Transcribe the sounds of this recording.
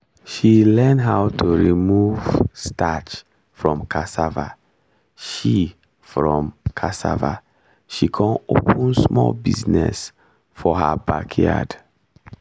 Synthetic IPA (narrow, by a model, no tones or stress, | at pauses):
ʃilɛ̃ndɦaʊtʰuɹimuvstʰat͡ʃ | fɹɔ̃mkʰasava̰ | ʃi | fɹɔ̃mkʰasava | ʃikʰɔ̃nopə̃nsmɔlbḭznɛ̰s | fɔhabakʰja̰d